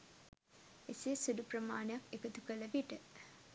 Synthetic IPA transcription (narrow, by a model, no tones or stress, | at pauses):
esesuduprəmaːnejakekət̪ukələʋiʈə